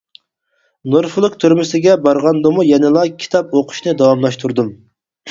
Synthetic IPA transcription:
noɾfɨlˠɨqt̪ʰyɾmɪsɪɡʲɛbɑɾʁɑnd̪ɨmujɛnɪlˠɑkʲʰi̥t̪ʰɑpoqʰʊ̥ʃnɨd̪ɑwɑmlˠɑʃt̪ʰuɾd̪um

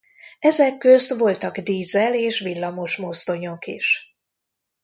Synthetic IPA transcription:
ɛzɛkːøst̪ʋo̞lt̪ɒɡd̪iːzɛleːʃʋilːɒmo̞ʃmo̞st̪o̞ɲo̞kiʃ

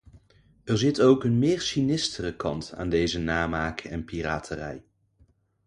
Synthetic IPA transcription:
ɛɹzɪtowkənmɪːɹsinɪstərəkɑnta̰ːndejzənaːmaːkəɛnpiraːtʰərɛ̰j

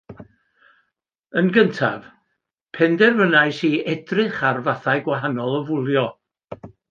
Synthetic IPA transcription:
ənɡəntʰa̰v | pʰɛndɛrvənajsiːɛdrɨχarvaθajɡwaɦanɔlˠəvʊlˠjɔ

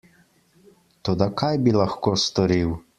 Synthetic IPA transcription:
t̪od̪akʰajbilaxkoːst̪ɔɾiw

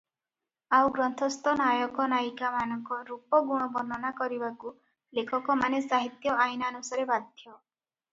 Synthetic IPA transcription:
awɡɾɔnt̪ʰɔst̪ɔnajɔkɔnajkamanɔŋkɔɾupɔɡuɽ̃ɔbɔnd̪ʱɔnakɔɾibaku | lekʰɔkɔmanesaɦit̪jɔʔajnaːnusaɾebad̪ʱjjɔ

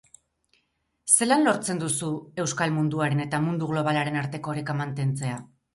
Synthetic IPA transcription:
se̞lanlo̞ɾt͡se̞nd̪usue̞wskalmund̪uaɾe̞ne̞t̪amund̪uɣlo̞β̞alaɾe̞naɾt̪e̞ko̞ːɾekamant̪e̞nt͡se̞a

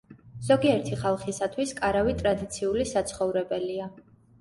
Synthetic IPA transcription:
z̥ɔɡiɛɾt̪ʰiχalˠχisat̪ʰwiskʼaɾavit̪ʼɾad̪it̪sʰiulisat̪sʰχɔvɾɛbɛlia

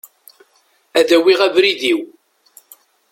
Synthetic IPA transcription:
æðæwiʁævɾiðiw

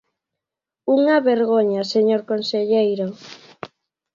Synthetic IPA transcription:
uŋaβeɾɣoɲaseɲoɾkonseʎejɾo

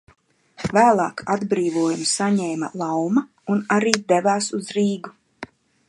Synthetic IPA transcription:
væːlˠɑːkad̪bɾiːvuɔjumsaɲɛːmɐ̰lˠawma | unaɾiːd̪ɛvaːsuzɾiːɡu

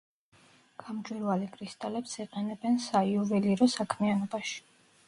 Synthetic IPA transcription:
ɡ̥ʰamd͡ʒʼwɛɾvalikʰʼɾist̪ʼalɛpsiqʼɛnɛbɛnsaiuvɛliɾɔsakʰmianɔbaʃi̥

